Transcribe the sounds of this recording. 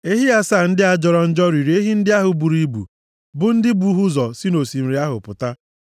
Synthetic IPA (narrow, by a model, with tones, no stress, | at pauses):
e˦ɦi˦ja˦saː˦˨n̩˦dɪ˦a˦d͡ʒɔ˨ɾɔ˦˨n̩˦d͡ʒɔ˦ɾi˨ɾi˨e˦ɦi˦n̩˦dɪ˦a˦ɦʊ˨bu˨ɾi˦bṵ˨ | bʊ˨n̩˦dɪ˦bu˦ɦu˦zɔ˨si˦no˨si˨m̩˨ɾi˦a˦ɦʊ̰˨pʊ̰˨ta˦